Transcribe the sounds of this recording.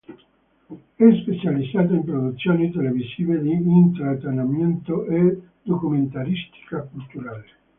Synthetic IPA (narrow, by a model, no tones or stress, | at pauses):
ɛspet͡ʃalid̪ːaːt̪̬oimpɾod̪ut̪sːjoːnit̪elevisiːved̪iint̪ɾat̪enamjɛnt̪oʔe | d̪̥okument̪aɾist̪i̥kakult̪uɾaːle